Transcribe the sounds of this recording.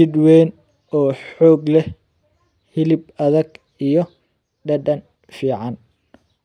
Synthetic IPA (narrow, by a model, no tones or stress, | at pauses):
ɪd̪wɛːn | ɔːħɔːɡlɛ | hɪlɪb̚ɐðɐɡ | ijɔ | ɖɐɖɐn | fiːʕɑn